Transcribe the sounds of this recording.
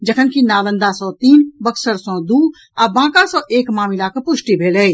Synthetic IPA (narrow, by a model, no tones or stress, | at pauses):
d͡ʒəkʰənkinaːlə̃nd̪asɔ̃ːt̪iːnbəksəɾsɔ̃ːd̪uː | abãːkasɔ̃ːʔeːkmaːmɪlakəpʊʃʈibʱeːlɛː